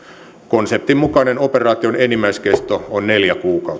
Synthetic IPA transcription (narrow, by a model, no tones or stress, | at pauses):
konsep̚t̪immukɑnenoperɑːt̪ionenimːˑæiskest̪oonneljækuːkɑ